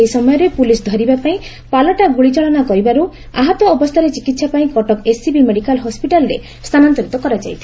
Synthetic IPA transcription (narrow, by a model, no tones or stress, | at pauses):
eisɔmɔjɔɾepulisd̪ʱɔɾibapaĩ | palɔʈaɡuɭit͡ʃɔɭɔnakɔɾibaɾu | a̰ɦɔt̪wɔːbɔst̪ʰaɾet͡ʃikit̪sapaĩkɔʈɔkesibimeɽikalɦɔspiʈalɔɾḛ | st̪ʰanant̪ɔɾit̪ɔkɔɾad͡ʒa̰jt̪ʰi̥